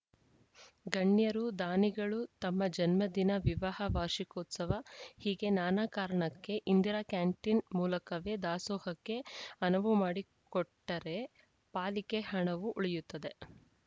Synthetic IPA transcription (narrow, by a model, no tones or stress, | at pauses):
ɡɐɳːjɐɾud̪aːniɡɐɭut̪ɐmːɐd͡ʒɐnmɐd̪inɐʋiʋaɦɐʋaːɾʂikoːt̪sɐʋɐhiːɡe̞naːnaːkaːɾɐɳɐkːe̞ʔind̪iɾaːkaːɳʈinmuːlɐkɐʋed̪aːsɔːhɐkːe̞ɐnɐʋumaːɽi | kɔʈːɐɾe̞ | paːlikehɐɳɐʋuʔuɭijut̪ːɐd̪e̞